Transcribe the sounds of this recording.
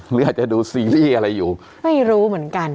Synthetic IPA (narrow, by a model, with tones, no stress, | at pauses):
lɯː˩˦˥ʔaː˨˩t̪̚t͡ɕa˨˩duː˧siː˧liː˥˩ʔa˧ɾa˧jːuː˨˩ | ma˥˩jɾuː˦˥mɯ˩˦ənka˧n